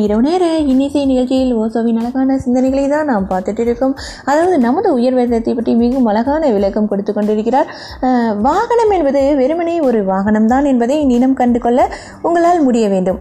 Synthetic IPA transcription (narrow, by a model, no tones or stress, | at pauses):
ɪɾɐʋɐneːɾɐɪnːɐsɐnɪɣɐɭt͡ʃːɪjɪloːsoːʋinɐlɐɣaːnɐsɪnd̪ɐnɐɪɣɐɭɐɪt̪ãːnnaːmpaːɾt̪ɯʈːɪɾɯkːɯm | ɐðaːʋɐðɯnɐmɐðɯʊjɐɾʋeːɾðɐt̪ːɐɪpːɐʈːrimiɣɯmɐlɐɣaːnɐʋɪɭɐkːɐmkɔɽɯt̪ːɯkːɔɳɖɪɾɯkːɪɾaːɾ | ʋaːɣɐɳɐmɛnbɐðɯʋɛɾɯmɐnɐɪɔɾɯʋaːɣɐnɐmt̪aːnɛnbɐðɐɪnɪnɐmkɐɳɖɯkɔɭːɐ | ʊŋɡɐɭaːlmʊɽɪjɐʋeːɳɖɯm